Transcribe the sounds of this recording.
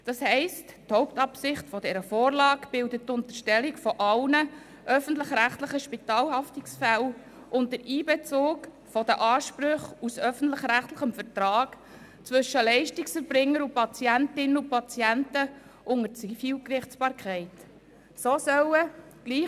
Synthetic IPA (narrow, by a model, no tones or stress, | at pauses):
d̥ɑshɛɪstthɔʊp̚tɑpsɪχtfɔdɛɾəfoːɾlɑːkb̥ɪldəttːʊntəʃtɛlikfɔʔɑlnə | ʔœfən̩tləχɾæχtləχəʃpitɑːlhɑftiksfæl | ʔʊnt̚dəɾiːbɛt͡soːk | fɔd̥̪əʔɑːʃpɾɵχusœfən̩tlɪχɾæχtləχəmfəɾtɾɑːɡ̥ | t͡svɵʃəlɛɪʃtiksfəɾb̥ɾɪŋːəɾupɑt͡siæntɪnəʊpɑt͡siæntə | ʔʊŋəɾt͡sifiːlkrɪχt͡sb̥ɑːɾkʰɛɪt | soːsœwəɡ̥liː